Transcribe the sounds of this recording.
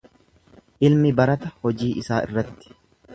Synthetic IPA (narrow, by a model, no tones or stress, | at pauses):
ʔɪlmɪbɐɾɐt̪ɐhɔd͡ʒiːʔɪsaːʔɪ̰rːɐt̪ːɪ̥